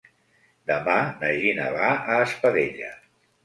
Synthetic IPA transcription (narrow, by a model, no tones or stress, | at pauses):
d̪əmanəʒinə̰βaəːspəðeʎə̰